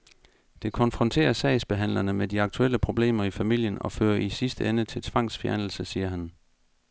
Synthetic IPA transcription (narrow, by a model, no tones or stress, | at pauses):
d̥e̝kʰɒ̽nfʁɒ̽nt͡sʰe̝̰ːɐsɛɪsb̥e̝ɦæn̰lɐnəmediɑ̈ɡ̥̚t͡sʰuel̰əpʰʁo̝b̥le̝̰ːmɐifæmil̰jənɒ̽fø̰ːɐʔisisd̥əenət͡sʰe̝lt͡sʰʋɑ̈ŋ̰sfjæɐnl̩səsiːɐɦæn